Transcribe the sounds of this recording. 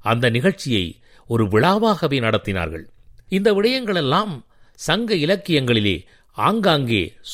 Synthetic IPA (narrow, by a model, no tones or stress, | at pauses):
ɐnd̪ɐnɪɣɐɭt͡ʃɪjɐ̰ɪ | ɔɾɯʋɪɭaːʋaːɣɐʋeːnɐɽɐt̪ːɪna̰ːɾɣɐ̰ɭɪnd̪ɐʋɪɽɐjɐŋɡɐɭɛlːaːm | sɐŋɡɐɪlɐkːɪjɐŋɡɐɭɪlḛː | aːŋɡaːŋɡḛː